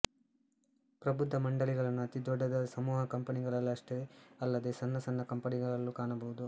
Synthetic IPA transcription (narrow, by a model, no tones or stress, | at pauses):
pɾɐbud̪ʱːɐmɐɳɖɐɭiɡɐɭɐnːuɐt̪id̪ɔɖːɐd̪ɐsɐmuːɦɐkɐmpɐniɡɐɭɐlːɐʂʈeɐlːɐd̪eːsɐnːɐsɐnːɐkɐmpɐniɡɐɭɐlːukaːɳɐbɐʋud̪u